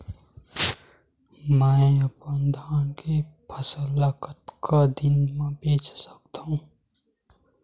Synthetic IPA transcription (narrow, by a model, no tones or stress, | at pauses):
mɛ̃eəpənd̪ʱaːnkepʰəsəlakət̪kʰad̪ɪnmẽbeːt͡ʃsə̥kt̪aɦũː